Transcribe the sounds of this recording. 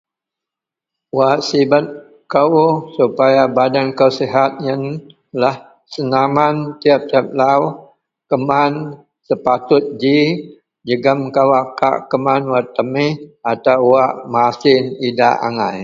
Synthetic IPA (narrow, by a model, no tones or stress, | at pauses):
waʔsibat̪̚ | kəwsupajabadankəwseɦat̪̚ɲən | lah | sənamant̪iap̚t̪iap̚law | kəman | səpat̪ʊt̪̚d͡ʒi | d͡ʒəɡəmkawaka̰ʔkəmanwat̪ːəmɪhat̪awwaʔmasɪnida̰ʔa̰ŋa̰j